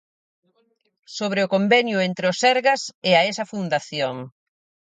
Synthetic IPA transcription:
soβɾeʊkombɛnjʊent̪ɾɪʊsɛɾɣɐsɪɐesɐfund̪aθjoŋ

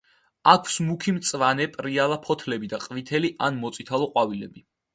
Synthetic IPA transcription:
akʰw̥smukʰimt̪sʼvanɛpʼɾialapʰɔt̪ʰlɛbid̪aqʼvit̪ʰɛliʔanmɔt̪sʼit̪ʰalˠɔqʼwavilɛbi

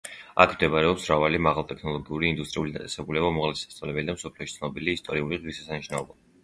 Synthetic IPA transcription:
a̰kʰmd̪ɛbaɾɛɔpsmɾavalimaʁalˠt̪ʼɛkʰnɔlˠɔɡiuɾiːnd̪ust̪ʼɾiulid̪at̪ʼɛ̥sɛbulɛbamɔʁlɛsi̥sast̪ʼavlɛbɛlid̪amsɔpʰliɔʃit̪sʰnɔbiliːst̪ʼɔɾiuliʁvisɛsaniʃnaɔba

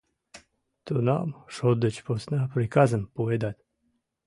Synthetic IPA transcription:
t̪una̰mʃod̪ət͡ɕposnapɾikazəmpoed̪at̪

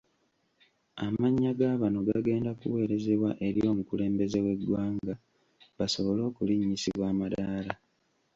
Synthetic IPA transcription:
amaɲːaɡaːβano̞ɡaɡe̞ːndakṵwe̞ːɾe̞ze̞βwaʔe̞ɾijo̞ːmukule̞ːmbe̞ze̞we̞dwaːŋɡa | baso̞βo̞lo̞ːkuliɲːisiβwaːmadaːla

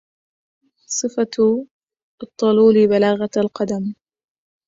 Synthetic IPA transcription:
sˤɨfa | t̪ˤːɑluːlibalaːɣalqɑd̪am

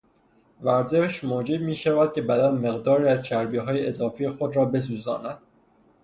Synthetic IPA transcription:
væɾzeʃmoːd͡ʒeb̚miːʃævæd̪̥̚cʲʰe̞bæd̪ænme̞ɣd̪ɒːɾiːæzt͡ʃʰæɾbiːɦɒːjeʔezɒːfijexod̪ɾɒːbe̞s̬uːzɒ̰ːnæd̪̥̚

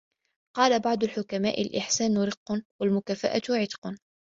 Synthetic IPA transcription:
qɑːlabɑʕd̪ˤʊlħʊkamaːʔɪlʔɪħsaːnʊɾɪqːnwalmʊkaːfa̰ʔa̰t̪ʕɪt̪ˤqn

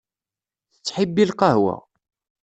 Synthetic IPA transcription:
θət͡sːħibːilqɑhwæ̰

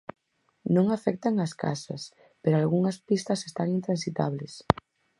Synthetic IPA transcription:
nõŋafɛk̚t̪aŋɐska̰sɐ̰s | peɾoalɣuŋɐspist̪ɐsest̪aŋint̪ɾansit̪a̰βles

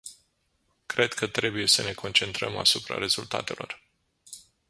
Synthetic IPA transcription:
kɾe̞d̪kʰət̪ɾe̞buje̞səne̞kʰo̞nt͡ʃe̞nt̪ɾəma̰supɾa̰ɾe̞zult̪a̰t̪e̞lʔo̞̰r

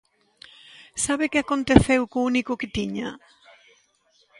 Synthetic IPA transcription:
saβɪkɪakont̪eθewkounikʊkɪt̪iɲa

